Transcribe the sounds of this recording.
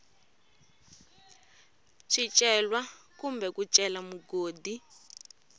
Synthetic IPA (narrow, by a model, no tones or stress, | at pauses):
ʃit͡ʃʼɛlwakumbɛkut͡ʃʼɛlamuɡoːdi